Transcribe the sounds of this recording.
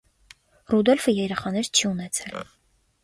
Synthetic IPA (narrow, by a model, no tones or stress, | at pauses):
rud̪ɔlfəjɛɾɛχɑnɛɾt͡ʃʰiunɛt͡sʰɛl